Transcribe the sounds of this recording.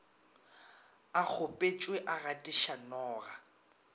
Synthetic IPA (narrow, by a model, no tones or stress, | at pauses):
ak͡xʰʊpʼet͡ʃʼweʔaɣatʼɪʃanɔːɣa